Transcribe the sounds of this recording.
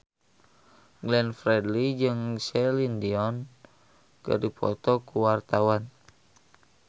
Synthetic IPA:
ɡlɛnfɾɛdlid͡ʒɨŋsɛlindiɔn | kɨ̰rdipʰɔ̰t̪ɔkuwart̪awan

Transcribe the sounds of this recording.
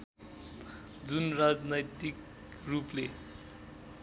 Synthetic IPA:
d͡zunrad͡znʌjt̪ik | ruple

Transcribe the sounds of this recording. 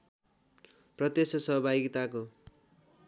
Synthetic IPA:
prʌt̪esʌsʌɦʌbʱaɡit̪ako

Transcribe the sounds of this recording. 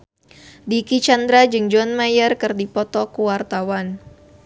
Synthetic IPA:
dikit͡ʃand̪ɾad͡ʒɨŋd͡ʒɔnmajərkɨrdipɔt̪ɔkuwart̪awan

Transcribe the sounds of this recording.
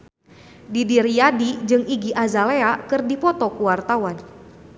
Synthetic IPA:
didiɾiadid͡ʒɨŋiɡiʔazaleakɨrdipɔt̪ɔkuwart̪awan

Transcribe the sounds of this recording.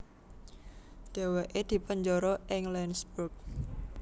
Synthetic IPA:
d̪̥e̤weʔed̪̥i̤pəɲd͡ʒɔɾɔʔɪŋlɛnsbuk̚

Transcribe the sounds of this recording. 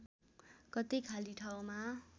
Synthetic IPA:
kʌt̪ikʰaliʈʰaw̃ma

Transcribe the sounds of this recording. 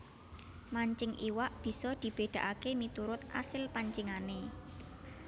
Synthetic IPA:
maɲt͡ʃɪŋʔiwaʔb̥i̤sɔd̪̥i̤b̥e̤d̪̥ä̤ʔakemit̪uɾʊt̪ʔa̰sɪlpaɲt͡ʃiŋane

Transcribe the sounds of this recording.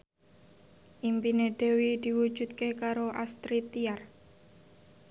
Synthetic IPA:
ʔimpineɖ̪̥e̤wid̪̥i̤wu̥ʒ̥ṳt̪̚kekaɾoʔast̪ɾit̪iar

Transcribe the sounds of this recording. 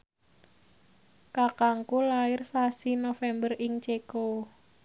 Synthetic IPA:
kakaŋkulaɪrsasinofɛmbərɪŋt͡ʃeko

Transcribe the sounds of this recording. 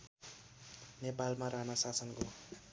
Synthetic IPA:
nepalmaɾaɦnasasʌnɡo

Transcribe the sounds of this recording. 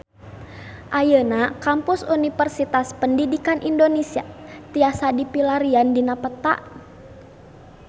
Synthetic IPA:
ʔajənakampʊsunifərsit̪aspəndidikanʔindonesia̰t̪iasadipilaɾiandinapət̪a̰ʔ

